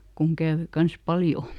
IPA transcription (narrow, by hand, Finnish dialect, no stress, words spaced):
kuŋ kæːʋø kɑns pɑljo